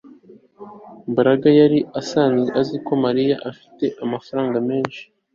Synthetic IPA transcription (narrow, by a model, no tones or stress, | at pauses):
mbaɾaɡajaɾiasaniʔaziko̞maɾijaʔafi̥te̞ʔamafaɾaːŋɡame̞ːnʃi̥